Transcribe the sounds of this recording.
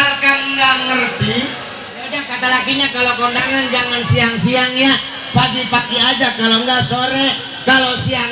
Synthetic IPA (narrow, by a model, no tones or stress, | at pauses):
arkaŋŋɡaŋərt̪i | odahkat̪alakiɲakalokɔndaŋand͡ʒaŋansiaŋsiaŋja | paɡipakiad͡ʒakaloŋɡasoɾɛ | kalosia